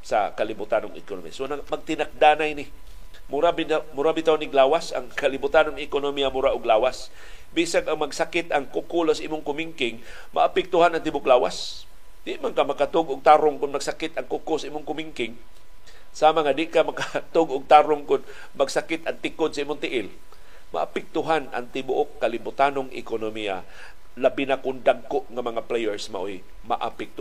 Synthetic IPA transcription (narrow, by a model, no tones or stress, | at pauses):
sa̰kalɪbʊt̪anʊŋɪ̰kono̰mḭa̰sonamaɡ̚t̪ɪnak̚d̪aːnajnɪ | mʊɾabiamʊɾabɪt̪awnɪɡlaːwasa̰ŋkalɪbʊt̪anʊŋɪkonomijamʊɾaʔʊɡlaːwas | bisaŋʔaŋmaɡsakɪt̪ʔaŋkʊkulosaiːmʊŋkʊmiŋkɪŋ | ma̰ʔːpɪk̚t̪ʊhanaŋt̪ɪbʊklaːwa̰s | d̪̥ɪʔmaŋkamɐkat̪ʊɡʔʊɡ̚t̪aɾʊŋkʊnmaɡ̥sakɪt̪aŋkʊkʊsaʔiːmʊŋkʊmɪŋkɪŋ | saːmaŋad̪ɪʔkamakat̪ʊɡʔʊɡ̚t̪aɾʊŋkʊn | maɡsakɪt̪ʔaŋt̪ɪkʊd̪̚saiːmʊŋt̪ɪʔɪl | ma̰ʔapɛk̚t̪ʊɦana̰ŋt̪ɪbʊʔokːalɪbʊt̪anoŋʔɪ̰konomia̰ | labɪnakʊnd̪aɡ̚koʔŋamɐŋaplejɛɹsma̰ʔoj | ma̰ʔapɛk̚t̪